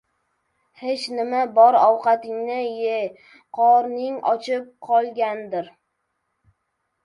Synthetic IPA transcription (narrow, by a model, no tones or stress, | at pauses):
het͡ʃnɪmabɒɾɒwqɑt̪ɪŋnɪje | qʰɒɾnɪŋɒ̰t͡ʃʰɪp̚qʰɒlˠɡʲand̪ɪɾ